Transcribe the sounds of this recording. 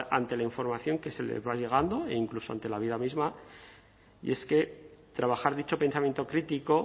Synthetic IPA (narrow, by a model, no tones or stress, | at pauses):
a̰nt̪e̞laiɱfo̞ɾmaθjo̞ŋke̞se̞lḛβaʎe̞ɣ̞and̪o̞eiŋklusoa̰nt̪e̞laβiðamizma | ḭe̞ske̞t̪ɾaβaxaɾðit͡ʃo̞pe̞nsamjnt̪o̞kɾit̪iko̞